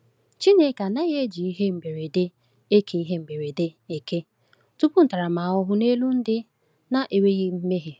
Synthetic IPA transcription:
t͡ʃi˦ne˨ka˨na˦ɣe˦d͡ʒi˨i˦ɦe˦m̩˨be˨ɾe˨de˦ | e˦kʰe˨i˦ɦe˦m̩˨be˨ɾe˨de˦e˨ke˦ | tu˦pʊ˦n̩˨ta˨ɾa˨ma˨ʊ˦ɦʊ˦ne˦lu˦n̩˦dɪ˦ | na˦ʔe˨we˦ɣi˦m̩˦me˦ɦe˨

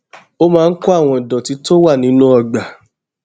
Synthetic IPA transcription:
o˦mãː˨˧n̩˦kɔ˦a˦˨w̃ɔ̃˨i˨dɔ̃˨ti˨˧to˦wa˦˨nĩ˨˦nũ˦ɔ˧˨ɡ͡ba˨

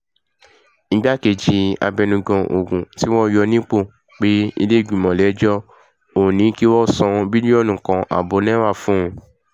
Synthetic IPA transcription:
ñ̩˦ɡ͡ba˦ke˨d͡ʒi˨˧a̰˧bɛ˧nũ˧ɡɔ̃˧ʔo˨ɡũ˨ti˦wɔ̃˦jɔ˧nĩ˦k͡po˦˨ | k͡pe˦ḭ˧le˦˨ɡ͡bĩ˨mɔ̃˨lɛ˨˦d͡ʒɔ˦ | õ˨nĩ˨˦ki˦wɔ˦sɔ̃˧bi˦nĩ˦ɔ˦˨nũ˨kã˧ʔa̰˨bo˨˦nɛ̃˦wa˦˨fũ˦˧˦

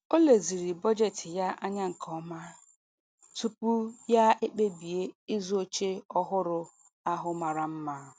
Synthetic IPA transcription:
o˦le˨zi˨ɾi˨bɔ˦d͡ʒe˦tɪ˨ja˦ʔa˦ɲa˦ŋ̩˨kʰɔ˦ma˦ | tu˦pu˦ja˦e˦k͡pe˦bi˨e˦ɪ˦zo˦t͡ʃe˦ɔ˦ɦʊ˦ɾʊ˦ | a˦ɦʊ˨ma˨ɾa˨m̩˦ma˦˨

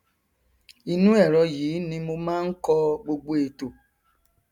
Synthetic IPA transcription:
i˧nũ˦ɛ˦˨ɾɔ˧jiː˨˦nĩ˧mo˧mãː˦n̩˦kɔ˧ɡ͡bo˧ɡ͡bo˧e˨to˨

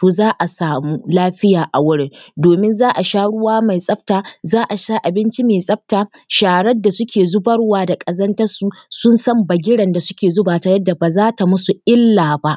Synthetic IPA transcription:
toː˨zaː˦ʔa˨saː˨muː˦laː˦ɸɪ˦jaː˨ʔa˨wʊ˦ɽɪ˦˨doː˨mɪ˦nzaː˦ʔa˨ʃaː˦ɽʊ˦waː˦ma˨jsʼɐ˦ɸ̚taː˨zaː˦ʔa˨ʃaː˦ʔa˨bɪ˦nt͡ʃi˦meː˨sʼɐ˦ɸ̚taː˨ʃaː˨ɽɐ˦dːa˨sʊ˦kʲʰeː˨zʊ˦bɐ˦ɽwaː˨da˨kʼɐ˨zɐ˦ntɐ˦su˨sʊ˦nsɐ˦mbɐ˨ɡʲɪ˦ɽɐ˨nda˨sʊ˦kʲeː˨zoː˦baː˨ta˨jɐ˦dːa˨baː˨zaː˦ta˨mʊ˦su˨ʔɪ˦lːaː˨ba˦ʔ

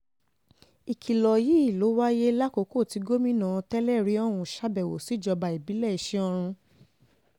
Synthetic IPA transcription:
i˨kʰi˨lɔ˨ji˨˦i˦˨lo˨˦wa˦je˦la˦ko˨˧˦ko˦˨ti˨˧˦ɡo˦mĩ˦nã˦˧tɛ˦lɛ˦˨ɾi˨˦ɔ˦ɾ̃ũ˧˨ʃa˦bɛ˨wo̰˨si˨˦˨d͡ʒɔ˧ba˧i˨bi˨˦lɛ˦˨i˨ʃe˦ɔ˧ɾ̃ũ˧

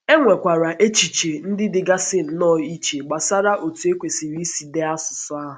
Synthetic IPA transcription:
e˦ŋʷe˨kʷa˨ɾa˨ʔe˦t͡ʃi˨t͡ʃe˨n̩˦dɪ˦dɪ˨ɡa˦sɪ˦n̩˨nɔ˦˨i˦t͡ʃe˨ɡ͡ba˨sa˦ɾa˦ʔo˨tu˨˦e˦kʷe˨si˨ɾi˦si˨de˦a˦sʊ˨sʊ˦a˦ɦʊ˨

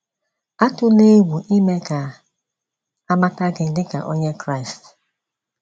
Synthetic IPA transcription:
a˦tʊ˦ne˦ɡu˨ʔi˦me˦ka˨ | a˦ma˦ta˦ɡɪ˨n̩˦dɪ˦ka̰˨ʔo˦ɲe˦kɾa˦ɪ˨st

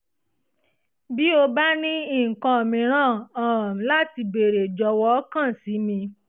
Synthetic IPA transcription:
bi˨˦o˧ba˦nĩ˦i˦˨kã˧o˨mĩ˧˨ɾ̃ãː˦˨ã˨la˦ti˧be˨ɾe˨d͡ʒɔ˨˦wɔ˦kã˦˨si˨˦mĩ˧

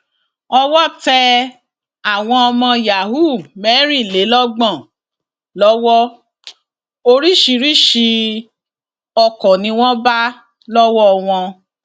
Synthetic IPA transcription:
ɔ˧wɔ˦tɛ˧ | a˨w̃ɔ̃˧ɔ˧mɔ̃˧ja˨ɦu˦˨mɛ˨˦ɾi˦˨le˨˦lɔ˦ɡ͡bɔ̃˦˨ | lɔ˦wɔ˦ | o˧ɾi˦ʃi˧ɾi˦ʃi˧ | ɔ˧kɔ˨nĩ˧w̃ɔ̃˦ba˦ | lɔ˦wɔ˦˧w̃ɔ̃˧

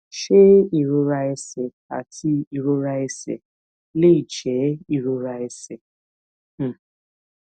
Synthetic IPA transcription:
ʃe˦i˨ɾo˦ɾa˦e˦se˨ | a̰˨tʰi˦i˨ɾo˦ɾa˦e˦sḛ˨ | le˦i˨t͡ʃɛ˨˦i˨ɾo˦ɾa˦e˦se˨

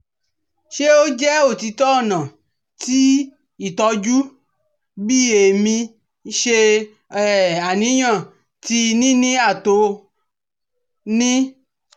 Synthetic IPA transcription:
ʃe˦o˦d͡ʒɛ˦o˦˨ti˧tɔ˦˨nã˨ | ti˦ | i˦˨tɔ˧d͡ʒu˦ | bi˦e˨mĩ˧ | ʃe˧ | ɛ˨a˨nĩ˨˦ɲã˦˨ | ti˧nĩ˦nĩ˦a˦˨to˨˧˦ | nĩ˦

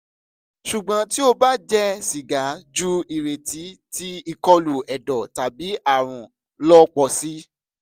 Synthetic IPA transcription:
ʃu˨ɡ͡bã˨˦ti˦o˧ba˦d͡ʒɛ˦si˨ɡa˨˦d͡ʒu˦i˨ɾe˨ti˨˦ti˦i˧kɔ˧lu˨ɛ˨dɔ˨ta˨bi˨˦a˦˨ɾ̃ũ˨ | lɔ˦k͡pɔ˧si˦

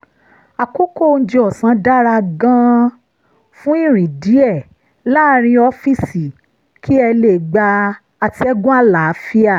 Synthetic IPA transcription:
a˨ko˦ko˦˨˧n̩˦d͡ʒi˧ɔ˨sã˨˦da˦ɾa˧ɡã˦ | fũ˦i˦˨ɾ̃ĩ˨di˨˦ɛ˦˨ | laː˦ɾ̃ĩ˧ɔ˧˦fi˦˨si˨ | kʰi˦ɛ˧le˨ɡ͡ba˧ | a˧ti˧ɛ˦ɡũ˦a˦˨la˨˦fi˦a˦˨

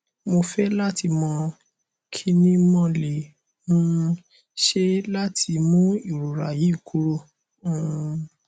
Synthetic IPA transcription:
mo˧fɛ˦la˦tʰi˧mɔ̃˧ | kʰi˦nĩ˦mɔ̃˦˧le˨ | mũ˦˧ | ʃe˦la˦tʰi˧mũ˦i˦˨ɾu˨ɾa˨ji˨˦˨kʰu˦ɾõ˦˨˦

